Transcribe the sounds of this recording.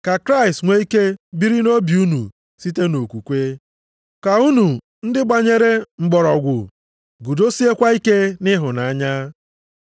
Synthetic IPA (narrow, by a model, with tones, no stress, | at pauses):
ka˨kɾa˦ɪ˨stŋʷe˦i˦ke˦bi˦ɾi˦no˦bi˨u˦nṵ˨ | si˦te˦no˨kʷu˨kʷe˦ | ka˨u˦nu˨ | n̩˦dɪ˦ɡ͡ba˨ɲe˦ɾe˦ŋ͡m̩˨ɡ͡bɔ˨ɾɔ˨ɡʷʊ̰˨ | ɡu˨do˦si˦e˦kʷa˦i˦ke˦nɪ˦ɦʊ˨na˨a˦ɲa˦